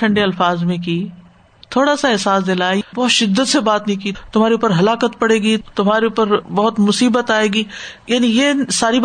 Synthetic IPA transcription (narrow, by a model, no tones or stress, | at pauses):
ɐ̃ɳɖeɐlfaːzmẽki | t̪ʰoːɽasaɛɦsaːs̬d̪elaːbɔːt̪ʃɪd̪ːət̪sebaːt̪nĩkit̪ʊmɦaːɾeuːpəɾɦɐlaːkət̪pɐɽeːɡit̪ʊmɦaːɾeuːpəɾbɐɦʊt̪mʊsiːbət̪aːeːɡiːjaːnijesaːɾi